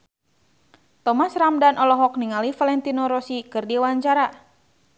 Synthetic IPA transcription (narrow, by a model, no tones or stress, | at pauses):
t̪ɔmasramdanʔɔlɔɦɔk̚niŋalifalɛnt̪inɔɾɔsikɨrdiwaɲt͡ʃaɾa